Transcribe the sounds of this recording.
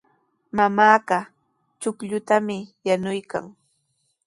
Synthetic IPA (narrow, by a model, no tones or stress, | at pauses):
mamaːɢɑ | t͡ʃʊkʎʊt̪amɪjanʊjka̰ŋ